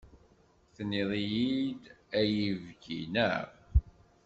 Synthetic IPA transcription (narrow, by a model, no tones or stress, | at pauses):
θniðˤijid̪æjiəvɡḭnæ̰ʁ